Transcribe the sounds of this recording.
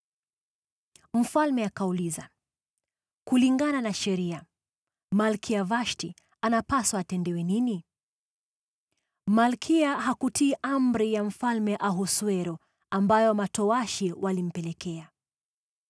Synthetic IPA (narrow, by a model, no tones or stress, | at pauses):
m̩falmɛakauliza | kuliŋɡananaʃɛɾia | malkʰiavaʃti | anapaswaːtɛndɛwɛnini | malkʰiaɦakutiːʔam̩ɾijam̩falmɛʔaɦuswɛɾɔ | ambajɔmatɔwaʃiwʔalim̩pɛlɛkɛa